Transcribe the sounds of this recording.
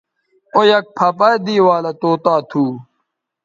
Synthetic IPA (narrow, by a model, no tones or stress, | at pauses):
ojɐk̚pʰɐpɐjd̪iːwaːlɐt̪oːt̪aːt̪ʰuː